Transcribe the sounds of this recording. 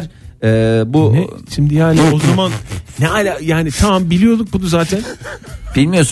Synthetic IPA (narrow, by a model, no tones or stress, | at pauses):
ɾɛːbuʃimd̪ijaːnio̞zamanːɛalʲajaːnit̪ʰamambilʲijo̞d̪uk̚bud̪uzaːt̪ʰænb̥ilʲmijos